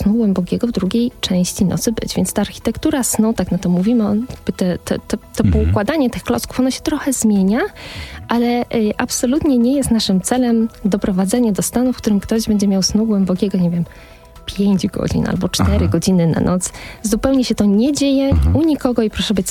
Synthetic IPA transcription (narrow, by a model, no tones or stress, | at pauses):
snuɡwɛmbɔkʲɛɡɔvd̪ɾuɡʲejt͡ʂɛ̃w̃ɕt͡ɕinʔɔ̰t̪sɘbɘ̰d͡ʑvʲjɛntst̪aːɾxʲi̥t̪ɛkt̪uɾasnut̪aknat̪ɔmuvʲimɘɔjaɡ̚bɘt̪ɛt̪ɛ̰t̪ɛt̪ɔpɔukwad̪aɲɛt̪ɘxklɔsku̥fɔnɔɕɛ̥t̪ɾɔxɛzmʲjeɲaʔalɛʔapsɔlut̪ɲɛɲɛjɛst̪naʂɘmt̪sɛlɛmd̪ɔpɾɔvad̪zɛɲad̪ɔst̪anufkt̪uɾɘmkt̪ɔʑbɛɲd͡ʑɛmʲjawsnuɡwɛmbɔkʲɛɡɔɲevʲjɛm | pʲjeɲd͡ʑɡɔ̰d͡ʑḭna̰lbɔt͡ʂt̪ɛɾɘɡɔd͡ʑinɘna̰nʔɔt̪szupɛwɲɛɕɛt̪ɔɲɛd͡ʑejɛuɲikɔɡɔipɾɔʂɛbɘt͡ɕ